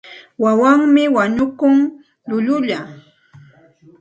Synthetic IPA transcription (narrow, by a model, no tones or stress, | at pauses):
wawaŋmɪwaɲʊkʊŋ | ʎʊʎʊʎa